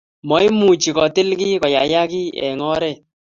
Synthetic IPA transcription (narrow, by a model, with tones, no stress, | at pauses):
mɔ˨˦jmu˨t͡ʃi˨kɔ˨tɪ˦lki˦kɔ˨ja˨ja˦kɪ˦ɛ̰˨ŋɔ˦ɾɛ˦˨